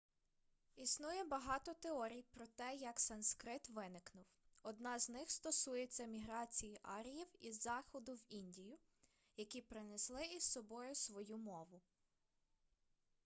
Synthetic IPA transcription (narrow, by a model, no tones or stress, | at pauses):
isnujɛbɐɦɑt̪ɔt̪eɔɾʲijpɾɔt̪ɛjɐksɐnskɾɪt̪ʋɪnɪknʊw | ɔd̪nɑznɪxst̪ɔsujet͡sʲːɐmʲiɦɾɑt͡sʲijiʔɑɾʲɪjiwizːɑxɔd̪ʊwinʲdʲijʊ | jɐkʲipɾɪneslˠɪissɔbɔjʊsʋɔjumɔʋʊ